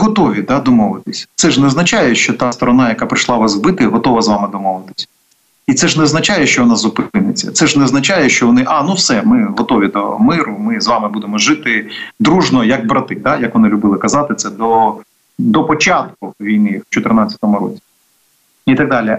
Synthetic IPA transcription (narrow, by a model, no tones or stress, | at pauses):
ɦɔt̪ɔʋʲid̪ɑd̪ɔmɔʋɪt̪ɪsʲɐ̥t̪sɛʐnɛznɐt͡ʃajɛʃt͡ʃɔt̪ɑst̪ɔɾɔnɑjɐkapɾɪʃlˠɑʋasbɪt̪ɪɦɔt̪ɔʋɐzʋɑmɪd̪ɔmɔʋɪt̪ɪ̥sʲɐ̥ | it̪sɛʐnɛznɐt͡ʃajɛʃt͡ʃɔʋɔnazʊpɪnɪt͡sʲːɐ̰t̪sɛʐnɛznɐt͡ʃajɛʃt͡ʃɔʋɔnɪʔɑnuwsɛmɪɦɔt̪ɔʋʲid̪ɔ̰mɪɾʊmɪzʋɑmɪbud̪emɔʒɪt̪ɪd̪ɾuʒnɔjɐɡ̚bɾɐt̪ɪd̪ajɐkʋɔnɪlʲʊbɪlˠɪkɐzɑt̪ɪt̪sɛd̪ɔ | d̪ɔpɔt͡ʃɑt̪̚kʊʋʲijnɪt͡ʃɔt̪ɪrnat͡sʲɐ̥t̪ɔmʊɾɔ̰t͡sʲi̥ | it̪ɐɡ̚d̪ɑlʲi